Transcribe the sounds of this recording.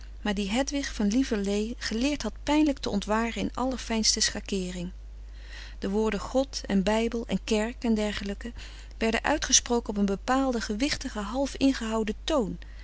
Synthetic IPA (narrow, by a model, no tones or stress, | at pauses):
maːɹdiɦɛtʋɪχfɑnlivəɹlejχəlɪːɹtɦɑt̚pɛjnləktəɔntʋaːrənɪ̰nɑ̰ləɹfɛjnstəsχakɪːrɪŋ | d̥əʋʊːɹdəχɔtɛ̰nbɛjbəlˠɛ̰nkɛɹkɛndɛɹχələkə | ʋɛɹdə̰nʔœ̰ɥtχəsprowkənɔp̬ənbəpaːlˠdəχəʋɪχtəχəɦɑlˠfɪnχəɦɑwdətown